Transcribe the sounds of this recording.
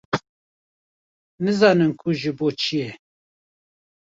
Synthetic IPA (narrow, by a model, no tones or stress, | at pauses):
nɨzɑːnɨnkʰuʒɨboːt͡ʃʰijɛ